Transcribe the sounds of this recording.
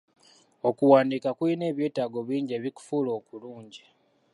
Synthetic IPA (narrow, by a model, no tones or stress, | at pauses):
o̞kuwaːndikakuine̞ːβjeːtaːɡo̞βiːɲɟe̞ːβiku̥fuːlo̞ːkuluːɲɟi